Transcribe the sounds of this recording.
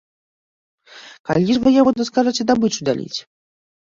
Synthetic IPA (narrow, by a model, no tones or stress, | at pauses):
kalʲiʐvɨjavɔd̪ɔskaʐat͡sʲɛd̪abɨt͡ʂud̪a̰lʲḭt͡sʲ